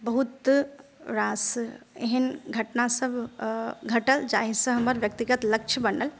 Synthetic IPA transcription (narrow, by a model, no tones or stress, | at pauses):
bəɦut̪ | ɾasḛɦənɡʱəʈnasəbʱ | ɡʱəʈəld͡ʒaɦisə̃ɦəməɾʋjək̚t̪iɡət̪lək̚t͡ʃʰəbənəl